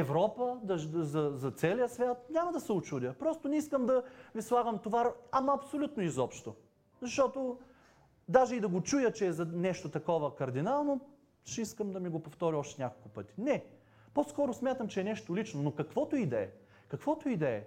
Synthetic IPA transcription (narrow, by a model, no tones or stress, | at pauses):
ɛvɾɔpəd̪ɐʒzɐzɐt̪sɛlijəsvʲjat̪nʲamɐd̪ɐsɛʊt͡ʃud̪ʲjəpɾɔst̪onɛiskəmd̪ɐvislˠaɡəmt̪ovaɐmaɐpsolʲut̪noizɔpʃt̪o | zɐʃt̪ɔt̪o | d̪aʒɛid̪ɐɡot͡ʃujət͡ʃɛːzɐnɛʃt̪ot̪ɐkɔvəkɐɾd̪inalˠno | ʃɛiskəmd̪ɐmiɡopoft̪ɔɾʲiɔʃt̪ɛnʲakolˠkʊpɤt̪i̥nɛ | poskɔɾosmʲjat̪əmt͡ʃɛːnɛʃt̪olʲit͡ʃnonokɐkvɔt̪oid̪ɛɛ | kɐkvɔt̪oid̪ɛɛ